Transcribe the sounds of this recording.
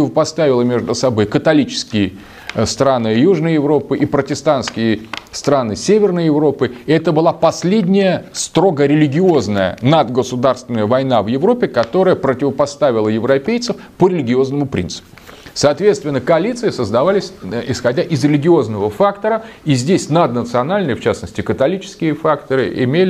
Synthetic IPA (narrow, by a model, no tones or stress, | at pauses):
ɪvəpɐst̪avʲɪlˠəmʲe̞ʐd̪ʊsɐbo̞jkət̪ɐlʲit͡ɕɪ̥skʲɪjə | st̪ɾanɨjuʐnəjjɪvɾo̞pɨʔipɾətʲɪst̪anskʲɪjəst̪ɾanɨsʲevʲɪrnəjɪvɾo̞pɨɛt̪əbɨlˠapɐsʲlʲedʲnʲɪjəst̪ɾo̞ɡəɾʲɪlʲɪɡʲɪo̞znəjə̰nad̪ɡəsʊd̪arst̪vʲɪnəjəvɐjnavjɪvɾopʲːɪkɐt̪o̞ɾəjəpɾətʲɪvəpɐst̪avʲɪlˠəjɪvɾɐpʲejt̪sɨfpəɾʲɪlʲɪɡʲɪo̞znəmʊpɾʲḭnt̪sɨ̥pʊsaːt̪vʲet̪st̪vʲɪnːəkəɐlʲit̪sɨɪsəzd̪ɐvalʲɪsʲɪsxɐdʲaʔɪzɾʲɪlʲɪɡʲɪo̞znəvəfakt̪əɾəizʲdʲesʲnad̪nət̪sɨɐnalʲnɨjəft͡ɕasnəsʲtʲɪkət̪ɐlʲit͡ɕɪ̥skʲɪjəfakt̪əɾɨ̰ʔɪ̰mʲelʲ